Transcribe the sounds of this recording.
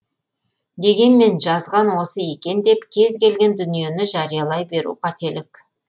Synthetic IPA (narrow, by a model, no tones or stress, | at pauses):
d̪e̞ɡʲe̞nme̞nʒɑzʁɑnwo̞səje̞kʲe̞nd̪e̞pkʲʰe̞zkʲʰe̞lɡʲe̞nd̪ʏnije̞nɪʒɑɾijɑlˠɑjbe̞ɾṵqɑt̪ʰe̞lɪk